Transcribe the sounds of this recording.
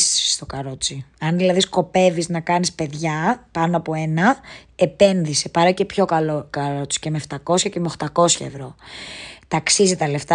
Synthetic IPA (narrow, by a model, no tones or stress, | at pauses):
sst̪o̞kɐɾo̞t͡siɐnðilɐðisko̞pe̞viznɐkɐnispe̞ðʝɐpɐnoɐpo̞enɐe̞pe̞nðisepɐɾɐcepço̞kɐlokɐɾo̞t͡si̥cemeft̪ɐko̞sçɐcemeo̞xt̪ɐko̞sçɐe̞vɾo̞ | t̪ɐksizit̪ɐle̞ft̪ɐ